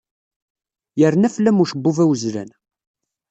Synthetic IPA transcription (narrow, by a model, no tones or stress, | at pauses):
jəɾnæflːæmuʃəbːuvæwəzlæ̰n